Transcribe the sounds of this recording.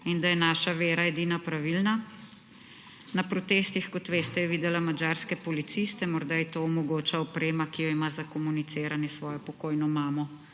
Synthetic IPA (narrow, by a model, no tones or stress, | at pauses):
ind̪ajɛnaːʃaʋeːɾaɛd̪iːnapɾaʋilna | napɾɔt̪eːst̪ixkɔt̪ʋeːst̪ɛjɛʋiːd̪ɛlamad͡ʒaɾskɛpɔlit̪sist̪ɛmɔɾd̪ait̪oːɔmɔɡoːt͡ʃaɔpɾeːmakijɔimazakɔmunit̪seːɾanjɛsʋɔːjɔpɔkoːjnɔmaːmɔ